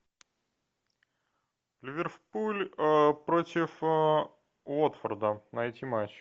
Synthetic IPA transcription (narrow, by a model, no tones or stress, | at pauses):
lʲɪvʲɪrfpulʲpɾotʲɪf | vot̪fərd̪ənɐjtʲimat͡ɕ